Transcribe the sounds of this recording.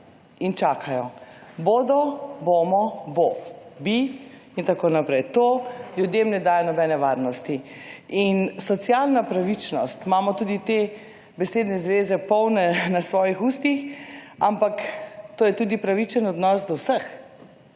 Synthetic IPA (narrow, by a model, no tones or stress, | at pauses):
int͡ʃaːkʰajɔboːd̪ɔboːmɔbobi | int̪akoːnapɾɛjt̪oːljud̪jemnɛd̪aːjɔnɔbɛnɛʋaɾnɔst̪iinsɔt̪sjalnapɾaʋit͡ʃnɔst̪maːmɔt̪uːd̪it̪e | bɛseːd̪nɛzʋeːzɛpɔwnɛnasʋɔːjixust̪ixampakt̪oːjɛt̪uːd̪ipɾaʋit͡ʃənɔd̪nɔsd̪ɔwsəx